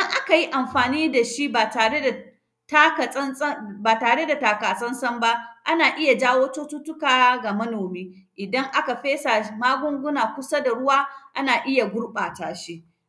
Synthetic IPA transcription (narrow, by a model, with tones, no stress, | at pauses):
dɐ˦ŋʔa˦ka˨ji˦ʔa˨mɸaː˨niː˦da˨ʃi˦ba˨taː˨ɽe˦da˨ | ta˦ka˨˦baː˨taː˨ɽe˦da˨taː˨kaː˨sʼɐ˦nsɐ˦mba˦ʔa˦naː˨ʔɪ˦ja˨d͡ʒaː˦woː˦toː˦tʊ˦tʊ˦kaː˨˦ɡa˨mɐ˦noː˨miː˦ʔɪ˨dɐ˦ŋʔa˦ka˨ɸeː˦sa˨maː˦ɡʷʊ˦ŋɡʷʊ˦naː˨kʷʊ˦sa˦da˨ɽʊ˦waː˦ʔa˦naː˨ʔɪ˦ja˨ɡʷʊ˦ɽɓaː˨taː˨ʃi˦ʔ